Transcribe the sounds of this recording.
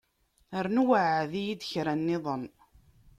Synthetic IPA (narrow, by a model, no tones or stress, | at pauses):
əɾnuwəʕðijid̪əçɾænːɪðˤən